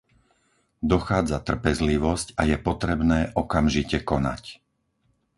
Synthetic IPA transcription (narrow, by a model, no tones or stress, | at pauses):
d̪ɔxaːd͡zat̪r̩pɛzliʋɔscajɛpɔt̪ɾɛbnɛːʔɔkamʒicɛkɔna̰c